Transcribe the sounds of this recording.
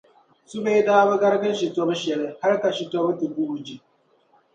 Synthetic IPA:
su˦beː˦daː˦ba˦ɡɐ˦ɾɡɐ˦nʃi˨tɔ˦bʃɛ˨ɽe˦ha˦ɾka˨ʃi˨tɔ˦bti˨bu˦ʔu˨d͡ʒi˦˨

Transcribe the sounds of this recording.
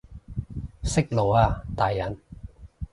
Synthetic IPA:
sɪ˥k̚lo˨waː˧t̪aː˨jːɐ˨˥n

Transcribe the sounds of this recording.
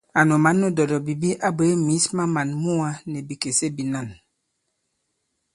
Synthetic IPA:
a˨nɔ˨ma˨˦nːɔ˦dɔ˨dɔ˨bi˨bi˦ʔa˦bə˨˦e˦mi˨˦sma˦ma˨nmu˦a˦nɛ˨bi˨ke˨se˦bi˨na˦˨n

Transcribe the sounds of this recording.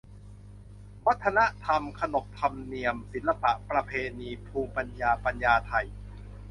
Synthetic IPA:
wa˦˥t̪ʰːa˧na˦˥t̪ʰa˧mkʰa˧no˨˩p̚t̪ʰa˧mni˧əmsi˨˩˦nla˧pa˨˩ʔpɾa˧pʰeː˧niː˧pʰuː˧mpa˧njaː˧pa˧njaː˧t̪ʰa˧j

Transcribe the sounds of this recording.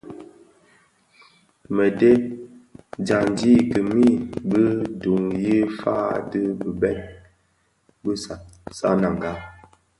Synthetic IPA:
mə˨de˦ | d͡ʒa˨n˨d͡ʒi˦˨kə˨mi˦˨bə˦du˨ŋji˦fa̰˦də˦bə˨bɛ˦n̚ | bə˦˨sa̰˦na˨ŋ˨ɡa˦

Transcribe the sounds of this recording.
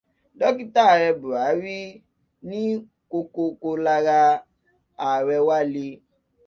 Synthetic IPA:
dɔ˦ki˦ta˦˨ɾɛ˧bu˨a˨˦ɾi˦ | nĩ˦ | ko˧ko˧ko˧la˧ɣa˧ | a˨ɾɛ˧wa˦li˧

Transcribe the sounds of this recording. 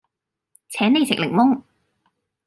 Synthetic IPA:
t͡sʰɛː˨˥ne˨˧jt͡sʰɪ˨k̚lɪ˨˩ŋmʊ˥ŋ

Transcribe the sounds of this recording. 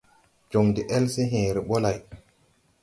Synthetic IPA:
d͡ʒo˨ŋde˨ʔɛ˦lse˦ɦẽː˨ɾe˨ɓo˦la˨j

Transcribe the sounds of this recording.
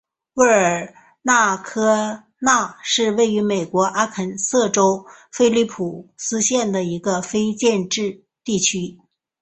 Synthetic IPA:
wə˥˩ə˞˨˩ | na˥˩kʰɤ˥ | na˥˩ʂɻ̩˥˧we˥˩ɪy˧˥me˨˩ɪkwɔ˧˥ʔa˥kʰə˨˩nsɤ˥˩ʈ͡ʂo˥ʊfe˥ɪli˥˩pʰu˨˩sɹ̩˥ɕjɛ˥˩nd̪ə˩i˧˥ɡə˧fe˥ɪt͡ɕjɛ˥˧nʈ͡ʂɻ̩˥˧ | t̪i˥˩t͡ɕʰy˥

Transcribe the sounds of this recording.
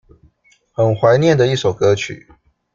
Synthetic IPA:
xə˨˩nxwa˧˦ɪnjɛ˥˨nd̪ə˨i˥˩so˨˩ʊkɤ˧˦t͡ɕʰy̰˨˩˦

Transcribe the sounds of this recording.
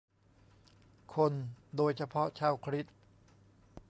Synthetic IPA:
kʰo˧ndoː˧jt͡ɕʰa˧pʰɔ˦˥t͡ɕʰaː˧˥˩wkʰɾi˦˥t̪̚

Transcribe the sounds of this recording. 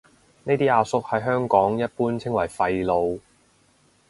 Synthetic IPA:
ne˥t̪iː˥aː˧sʊ˥k̚hɐ˨jɦœː˥ŋkɔː˨˥ŋjɐ˥t̚puː˥nt͡sʰɪ˥ŋwɐ˨˩jfɐ˧jlo˨˧w

